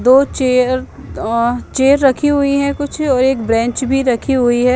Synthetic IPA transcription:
d̪oːt͡ʃeəɾ | t͡ʃeːəɾːɐkʰiɦʊiɦɛ̃kʊt͡ʃʰɔːɾeːkbɾɛ̃ːɲt͡ʃbʱiɾɐkʰiɦʊiɦɛː

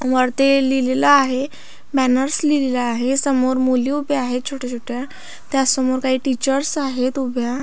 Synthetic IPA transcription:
ʋəɾt̪elilelaːɦe | bænəɾslilelaːɦesəmoɾmoliubʱeaɦet̪̚t͡ɕʰoʈət͡ɕʰoʈja | t̪jasəmoɾkaɦiːʈit͡ɕəɾsaɦet̪ubʱja

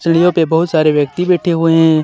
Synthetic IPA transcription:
t͡ʃəijõpebɐɦʊt̪saːɾeʋjək̚t̪ibɛːʈʰeɦʊeɦɛ̃

